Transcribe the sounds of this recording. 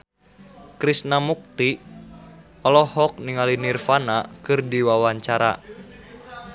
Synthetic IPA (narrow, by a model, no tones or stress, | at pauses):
kɾisnamuk̚t̪i | ɔlɔhɔk̚niŋalinirfanakɨrdiwawaɲt͡ʃaɾa̰